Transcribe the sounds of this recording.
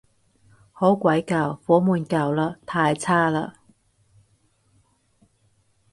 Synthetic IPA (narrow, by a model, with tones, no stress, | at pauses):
ho˨˥wkʷɐ˨˥jkɐ˨˧wfɔː˨˥muː˨˧nkɐ˨wlaː˧˥t̪ʰaː˧jt͡sʰaː˥laː˧